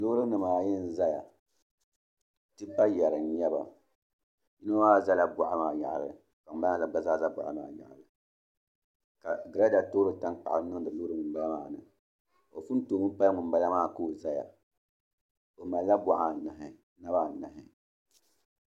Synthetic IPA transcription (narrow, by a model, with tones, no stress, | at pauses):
lo˦ɾɨ˦nɨ˨maː˨jɛ˦n˦za˦ja˨ | tɨ˦pa˦jɛ˨ɾɨ˨n˦ɲɛ˦ba̰˨ | ji˦no˦waː˦˨za˦la˦bɔ˨ʔa˦maː˨ja̰˨ʔlɨ̰˨ka˨ba˦˨a˨ɡ͡ba˨za˦˨za˦bɔ̰˨ʔa̰˦ma̰ː˨ja̰˨ʔa̰˨lɨ˨ | ka˨ɡɨ˨ɾa˦da˨to˦ɾɨ˦ta˦ŋk͡pa˨ʔa̰˨ɨ˦nɨ˦ŋ˨dɨ˨loː˦ɾɨ˦mɨ˨˦ba˦la˦maː˦˨nɨ˨ | o˨fu˦n˦toː˨mɨ˦pa˦ŋɨ˨m˦ba˦la˦maː˦˨ko˦˨za˦ja̰˨ | o˨ma˨la˦bɔ˦ʔa˨na˨ɦɪ˨˦ | na˦ba˦˨na˨ɦɪ˦